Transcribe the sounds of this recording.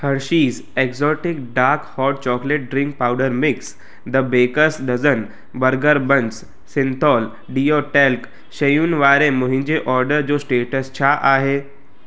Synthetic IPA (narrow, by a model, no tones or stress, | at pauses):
həɾʃiːz | ekzɔːʈɪkɖaːɾkhɔːɾʈ̚t͡ɕɔːkleʈ̚ɖɾɪ̃ŋk̚pawɖəɾmɪks | d̪əbeːkəsɖɐd͡zən | bəɾɡəɾbə̃ns | sɪnt̪ʰɔːl | ɖiːjoʈelk | ʃɐjuːnʋaːɾemoɦĩɲd͡ʑeʔɔːɾɖəɾd͡ʑoːsʈeːʈəst͡ɕʰaʔaːɦe